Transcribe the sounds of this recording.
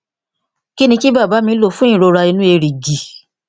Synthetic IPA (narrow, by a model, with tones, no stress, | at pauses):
ki˦nĩ˧ki˦baː˦˨ba˨˦mĩ˧˦lo˦˨fũ˦ĩ˦˨ɾo˧ɾa˧i˧nũ˦e˧ɾi˨ɡi˨